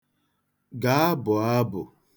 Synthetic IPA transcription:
ɡa˨˦a˦bʊ˨a˦bʊ̰˨

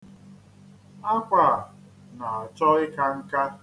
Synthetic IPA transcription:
a˦kʷa˨ | na˨a˨t͡ʃɔ˦ɪ˦ka˦ŋ̩˦ka˦

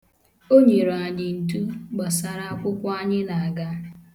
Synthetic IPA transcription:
o˦ɲe˨ɾo˨a˨ɲɪ˨n̩˨tu˦ɡ͡ba˨sa˦ɾa˦a˦kʷʊ˦kʷa˦ɲɪ˦na˨a˨ɡa˦

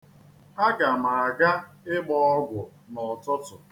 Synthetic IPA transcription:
a˦ɡa˨ma˨a˨ɡa˦ɪ˦ɡ͡bɔ˦ɔ˦ɡʷʊ˨nɔ˨tɔ˦tʊ˨

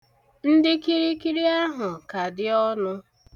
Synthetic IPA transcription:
n̩˦dɪ˦ki˦ɾi˦ki˦ɾi˦a˦ɦʊ˨ka˨dɪ˦ɔ˦nʊ˦

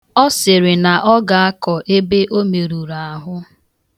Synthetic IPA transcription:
ɔ˦sɪ˨ɾɪ˨na˨ʔɔ˦ɡa˨a˦kɔ˨ʔe˦be˦ʔo˦me˨ɾu˨ɾa˨a˨ɦʊ˦

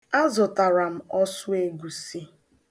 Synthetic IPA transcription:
a˦zɔ˨ta˨ɾa˨m̩˨˦ɔ˦sʊ˦e˦ɡu˨si˦

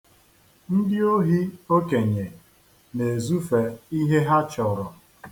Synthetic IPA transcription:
n̩˦dɪ˦o˦ɦi˦o˦ke˨ɲe˨ | ne˨zu˦fe˨i˦ɦe˦ɦa˦t͡ʃɔ˨ɾɔ˨

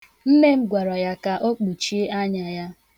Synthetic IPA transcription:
m̩˦me˦m̩˦ɡʷa˨ɾɔ˨ja˦ka˨ʔo˦k͡pu˨t͡ʃi˦e˦a˦ɲa˨ja˦

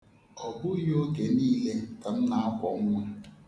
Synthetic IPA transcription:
ɔ˨bʊ˦jo˦ɡe˨niː˦le˦ta˨n̩˦na˨a˦kʷɔ˨ŋ̩˦ŋʷa˦

